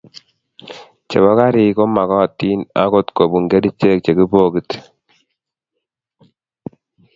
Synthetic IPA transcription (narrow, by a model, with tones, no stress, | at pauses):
t͡ʃḛ˨bɔ˦ka˦ɾɪ˨ko˦ma˨kɔː˦˨tːi˦na̰˦ko˦tko˨bu˨ŋɡe˦di˦t͡ʃːe˦˨k̚t͡ʃe˨ki˦bo˦ki˦t